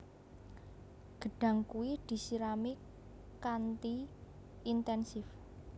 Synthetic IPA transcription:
ɡ̥ə̤ɖ̥a̤ŋkuwid̪̥i̤siɾami | kant̪iː | nt̪ɛnsɪf

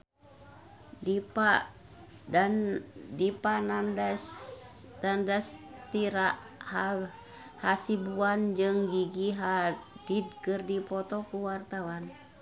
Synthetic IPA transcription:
dipa | dandipanandast̪andast̪iɾaʔ | ha | hasibuand͡ʒɨŋɡiɡiɦadid̚kɨrdipɔt̪ɔkuwart̪awan

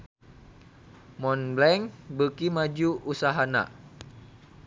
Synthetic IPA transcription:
mɔnblɛŋbəkimad͡ʒuʔusaɦana̰

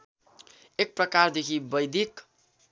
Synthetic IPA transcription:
ek̚prʌkard̪ekʰibʌjd̪ik

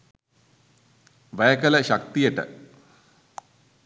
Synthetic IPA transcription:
ʋæjəkələʃak̚t̪ijəʈə̰

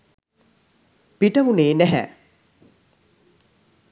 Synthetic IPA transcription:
piʈəmuneːnæɦæ̰

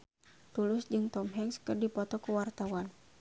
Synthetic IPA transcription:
t̪ulʊsd͡ʒɨŋt̪ɔmɦɛŋskɨrdipɔt̪ɔkəwart̪awan

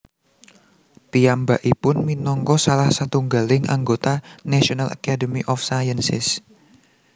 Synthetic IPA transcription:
piambaʔipʊnminɔŋkɔsalahsat̪uŋɡalɪŋʔa̰ŋɡot̪anaʃionala̰kadəmiʔɔfsajənsɪ̰s

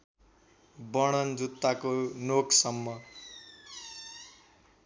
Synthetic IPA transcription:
bʌɽ̃ʌnd͡zut̪ːakonoksʌmːʌ

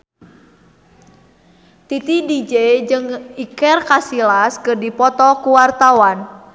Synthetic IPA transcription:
t̪it̪idid͡ʒed͡ʒɨŋikɛrkasilaskɨrdipɔt̪ɔkuwart̪awan

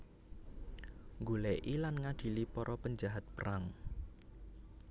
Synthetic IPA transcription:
ŋɡulɛʔilanŋaɖ̪̥i̤lipɔɾɔpəɲd͡ʒaɦat̪̚pəɾaŋ

